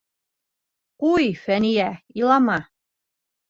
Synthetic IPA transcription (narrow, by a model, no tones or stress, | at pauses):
kujfænijæilˠɑmɑ